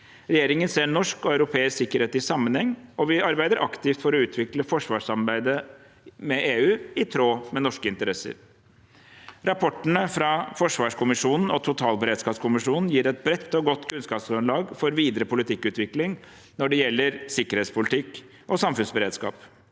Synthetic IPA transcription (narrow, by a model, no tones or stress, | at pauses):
ɾɛjeːɾɪŋənseːnɔʂkɔɑʉɾʊpʰeːɪsksɪkːəɾheːt̪ɪsɑmːənhɛŋːɔʋɪɑɾbæɪd̪əɾʔɑkt̪ɪft̪fɔɾɔʉːt̪ʰʋɪkləfɔʂʋɑːʂɑmbæɪd̪ə | mɛʔeːʉːɪt̪ʰɾoːmɛnɔʂkəɪnt̪əɾɛsə̰ɾ | ɾɑpʰɔʈːənəfɾɑfɔʂʋɑːʂkʰʊmɪʂuːnn̩ɔt̪ʰʊt̪ʰɑːlbəɾeːd̪skɑːpskʰʊmɪʂuːnn̩jiːɾɛt̪̚bɾɛt̪ːɔɡɔt̪ːkʰʉnskɑːpsɡɾʉnlɑːɡfɔɾʋiːd̪əɾəpʰʊlɪt̪ʰɪkːʉːt̪ʋɪklɪŋ | nɔɖɛjɛlːəɾsɪkːəɾheːt̪spʰʊlɪt̪ʰɪk | ʔɔsɑmfʉnsbəɾeːd̪skɑ̰ːp